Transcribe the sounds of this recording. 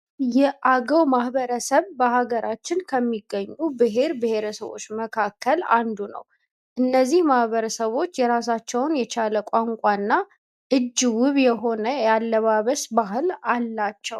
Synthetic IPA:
jɛʔaɡəwmahbəɾəsəβbəhaɡəɾat͡ʃːɪnkʰəmːiɡːəɲːubɨɦe̞ɾbɨhe̞ɾəsəβo̞̰t͡ʃːməkʰakʰːəland̪unə̰w | ʔɨnːəzːihmahbəɾəsəβo̞t͡ʃːjɛɾasat͡ʃːɛwnjɛt͡ʃʰaləkʷʼaŋkʷʼanːa | ʔɨd͡ʒːwɨβjɛɦo̞nəjalːəβaβəsbahɨlalːat͡ʃːɛw

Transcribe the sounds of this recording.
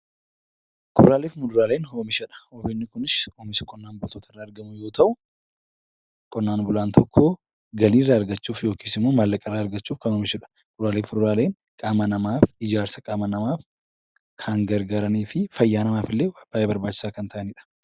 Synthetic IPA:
kʰʊɾaːleːfmʊd̪ʊɾaːleːnɦoːmɪʃɐᶑɐ̥hoːbenːɪkʊnɪsoːmɪsɪ̥kʼɔnːaːnbʊt̪oːt̪ɐɪrːɐːɐɾɡɐmʊjo̞ːt̪ɐʔʊ | kʼɔnːaːnbʊlaːnt̪ʰɔkʰːo̞ː | ɡɐliːrːaːɾɡɐt͡ʃːuːfjo̞ːkiːsɪmːoːmɐlːɐkʼɐrːaːɐɾɡɐt͡ʃːuːfkɐnhoːmɪʃʊᶑɐ̥ | mʊd̪ɾaːleːfʊd̪ʊɾaːle̞ːŋ | kʼaːmɐnɐmaːfɪd͡ʒaːɾsɐkʼaːmɐnɐmaːf | kʰɐŋɡɐɾɡaːɾɐniːfɪfɐjːaːnɐmaːfɪlːeːwɐb̥ːaːebɐɾbaːt͡ʃːɪ̥saːkɐnt̪ʰɐʔɐnɪᶑɐ̥

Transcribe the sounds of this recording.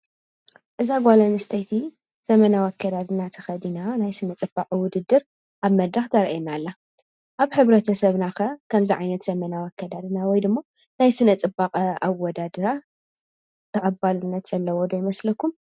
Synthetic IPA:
ʔɨzaɡʷalɐnɨst̪ʰɐjt̪ʰi | z̥ɐmɐnawakːɐd̪ad̪ɨnat̪ʰɐ̥xɐd̪inanajsɨnɐt͡sʼɨbːaqʼwʊd̪ɨd̪ːɨɾ | ʔaβmɐd̪ɾaxt̪ʰɐɾʔenalːa | ʔaβħɨβɾɐt̪ʰɐsɐβnakɐkʰɐmziʕa̰jnɐt̪z̥ɐmɐnawakːɐd̪ad̪ɨnawɔjd̪ɨmːo | najsɨnɐt͡sʼɨbːaqʼawːɔd̪ad̪ɐɾa | t̪ʰɐʔʼɐbalɨnːɐt̪z̥ɐlːɐwɔd̪ojɪmɐslɐkːum

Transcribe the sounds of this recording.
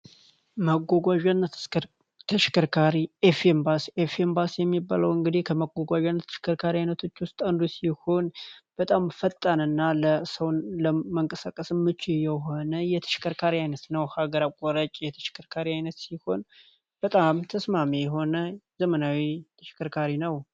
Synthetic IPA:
məɡʷɔɡʷaʒan | t̪ʰəʃɪ̥kɨɾkʰaɾiefembasefembasjɛmːibːa̰ləwɨŋɡɨd̪ihkʰəməɡʷɔɡʷaʒanːət̪ʰəʃɪ̥kʰəɾkʰaɾiajnət̪ʰo̞t͡ʃːwʊst̪ʼand̪usiho̞nb̥ət̪ʼamfət̪ʼːanɨnːaləsəwnləməŋkʼəsakʼəsɨmːɨt͡ʃːɪjɛɦo̞nəjɛt̪ʰə̥ʃɪ̥kʰəɾkʰaɾiajnət̪nəwhaɡəɾakʼɔɾət͡ʃʼjɛt̪ʰə̥ʃɪ̥kʰɨɾkʰaɾiajnət̪siho̞n | b̥ət̪ʼamt̪ʰəsmamijɛɦo̞nəzəmənawit̪ʰəʃɪ̥kʰɨɾkʰaɾinəw

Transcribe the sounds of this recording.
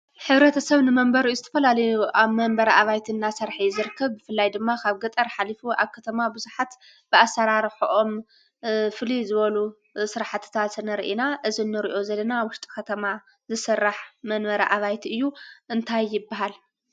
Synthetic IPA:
ħɨβɾɐt̪ʰɐsɐβnɨmɐmbɐɾijozɨt̪ʰɐfɐlalɐjuʔaβmɐnbɐɾɐʔaβajt̪ʰinːasɐɾħizɨɾkʰːɐβbɨfɨlːajd̪ɨmːakʰaβɡɐt̪ʼɐɾħalifua̰βkʰːɐt̪ʰɐmabɨzuħat̪ | b̥ɨasːɐɾaɾħʔom | fɨlizɨβɐlu | sɨɾaħat̪ʰɨ̥t̪ʰat̪ɨnɐɾḭʔinaʔɨzinːɨɾiʔo̞zɐlːɐnawʊʃt̪ʼi̥kɐt̪ʰɐma | zɨsɨrːaħmɐnbɐɾɐʔaβajt̪ʰiɨjːuʔɨnt̪ʰajːɪbːaɦal

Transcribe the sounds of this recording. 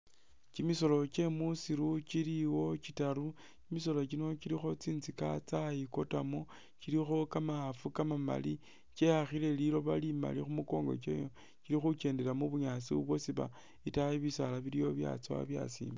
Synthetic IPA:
t͡ʃimiso̞lo̞t͡ʃe̞musiɾut͡ʃiliwo̞t͡ʃitaɾu | kimis̬o̞lo̞t͡ʃ̬ino̞t͡ʃilixo̞t͡siːnzikat͡sajiko̞tamo | t͡ʃilixo̞kamaafukamama̰li | t͡ʃe̞haxile̞lilo̞βalima̰lixumuko̞ːŋɡo̞̰t͡ʃḛjo | kiɾixut͡ʃe̞ːndelamuβuɲat͡siβṵβwosiβa̰ | itajiβisalaβilijo̞βja̰t͡sawa̰βja̰sḭːmba

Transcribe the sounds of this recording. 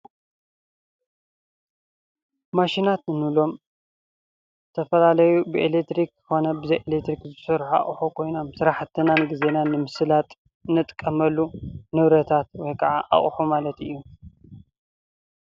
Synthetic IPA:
maʃinat̪ɨnulo̞m | zɨt̪ʰɐfɐlalɐjubɨʔelek̚t̪ɾikkɨxo̞nɐbɨzɐjʔelekt̪ɾikzɨsɨɾħa̰χʼħukʰo̞jno̞msɨɾaħt̪ʰɨnanɡize̞nanːɨmɨsɨlat̪ʼ | nɨt̪ʼkʼːɐmɐlːunɨβɾɐt̪ʰat̪wɔjkʰɐʕaʔa̰χʼħumalɐt̪ɨ̰jːu

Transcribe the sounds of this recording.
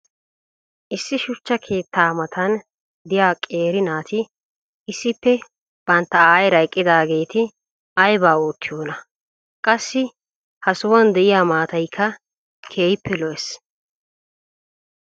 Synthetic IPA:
ʔɪsːɪʃʊt͡ʃːɐkʰe̞ːt̪ʰːaːmɐt̪ʰɐn | d̪ɪjaːkʼe̞ːɾɪnaːt̪ɪ | ɪsːɪpːɛ | b̥ɐnt̪ːɐaːjɾɐjkʼːɪd̪aːɡe̞ːt̪ɪ | ʔɐjbaːoːt̪ːɪjoːnɐ | kʼɐsːɪ | hɐsowɐnd̪ɛʔɪjaːmaːt̪ɐjkʰːɐ | kʰe̞ːjpːɛlɔʔɛs

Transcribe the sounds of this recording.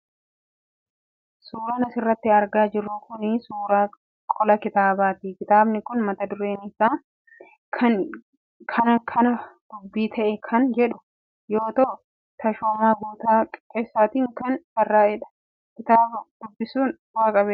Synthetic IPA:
suːɾaːnɐsɪrːɐt̪ːɪɐɾɡaːd͡ʒɪrːʊkʊnɪsuːɾaː | kʼɔlɐkɪt̪aːbaːt̪ikɪt̪aːbnɪkʊnmɐt̪ɐd̪ʊɾeːnɪsaː | kʰɐn | kʰɐnɐkʰɐnɐd̪̥ʊbːiːt̪ʰɐʔɛkʰɐnd͡ʒɛᶑʊ̥ | jo̞ːt̪o | t̪ɐʃoːmaːɡuːt̪aːkʼeːsːaːt̪iːŋkɐnsɐrːaːɛᶑɐ̥ | kɪt̪aːbʊd̪̥ʊbːɪsuːn | waːkʼɐbeː

